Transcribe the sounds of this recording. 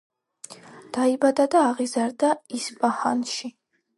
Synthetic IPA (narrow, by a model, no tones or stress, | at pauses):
d̪̥aibad̪ad̪aːʁizaɾd̪aispʼahanʃi